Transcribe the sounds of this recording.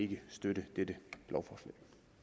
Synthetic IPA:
e̝ɡ̥əsd̥ødəd̥ed̥əb̥lɒʊfɒːslɛ̰ːɪ

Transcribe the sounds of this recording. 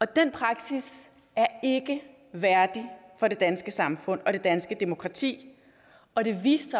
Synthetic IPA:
ɒ̽d̥enpʰʁɑ̈ɡ̥sis | æɐe̝ɡ̥ə | ʋæɐd̥ifɒ̽ɾe̝d̥ænsɡ̥əsɑ̈mfɔ̽n̰ɒ̽ɾ̥e̝d̥ænsɡ̥əd̥e̝mo̝kʰʁɑ̈t͡sʰḭː | ɒ̽dɾe̝ʋḭːsɐ

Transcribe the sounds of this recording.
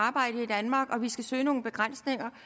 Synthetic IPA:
ɑ̈ːb̥ɑ̈ɪ̰ɾ̥əid̥ænmɑ̈ːɡ̥ɒ̽ʋisɡ̥æsø̰ːɪno̝ːn̩b̥e̝ɡ̥ʁan̰sne̝ŋɐ

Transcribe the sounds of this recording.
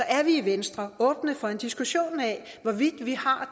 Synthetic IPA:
ɒ̽ʔæɐʋiiʋensd̥ʁɐɔ̽ːb̥nəfɒ̽e̝nd̥isɡ̥uɕo̝̰ːnɛʋɒʋid̥ʋihɑ̈

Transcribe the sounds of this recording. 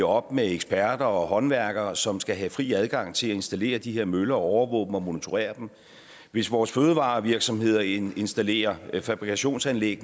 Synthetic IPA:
ɒ̽b̥meeɡ̥sb̥æɐd̥ɐɒɦɒ̽nʋæɐɡ̥ɐsɒ̽msɡ̥æɦæfʁḭːæð̞ˠɡ̥ɑ̈ŋ̰t͡sʰe̝læe̝nsd̥æle̝̰ːɐd̥iɦeɐ̰mølɐɒɒʊɐʋɔ̰ːb̥n̩ɒ̽mo̝nit͡sʰo̝ʁḛːɐd̥em | ʋe̝sʋɒːsføːð̞̩ˠəʋɑ̰̈ːʋiɐɡ̥sɒ̽mhe̝ð̞̰ˠɐe̝nsd̥æle̝̰ːɐfæb̥ʁikʰæɕo̝̰ːnsænleɡ̥̚n

